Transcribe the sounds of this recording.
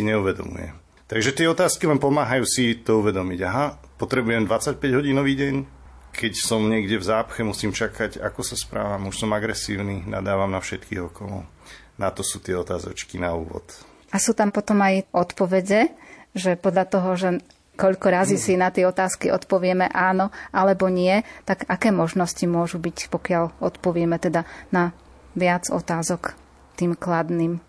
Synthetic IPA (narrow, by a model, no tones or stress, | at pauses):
siɲɛuʋɛd̪ɔ̰mṵjɛ̰m | t̪aɡʒɛt̪ɪɛɔt̪aːskilɛnpɔmaːɦajuːsit̪ɔuʋɛd̪ɔmiɟaɦapɔt̪ɾɛbujɛmd̪ʋat͡sac̚pɛɟɦɔɟiːnɔʋiːɟɛɲ | kʰɛcsɔmɲɪɛɡɟɛvzaːpxɛmusiːmt͡ʃakʰaɟa̰kɔsaspɾa̰ːʋamuʃsɔmaɡɾɛsiːʊnina̰d̪aːʋamnafʃɛt̪kḭːɣɔkɔlɔ̰ | nat̪ɔsuːt̪ɪɛɔt̪aːzɔ̰t͡ʃkinaṵːʋɔ̰t̪ | asuːt̪ampɔt̪ɔmajʔɔt̪pɔʋɛɟɛʒɛpɔd̪ʎat̪ɔɦɔʒɛ | kɔʎkɔɾaziːsinat̪ɪɛɔt̪aːskiʔɔt̪pɔʋɪɛmɛʔaːnɔʔalɛbɔɲɪɛt̪aɡakɛːmɔʒnɔscimʊɔʒubicpɔkɪaʎɔt̪pɔʋɪɛmɛt̪ɛd̪ana | ʋɪad͡zɔ̰t̪aːzɔk | t̪iːmklad̪niːm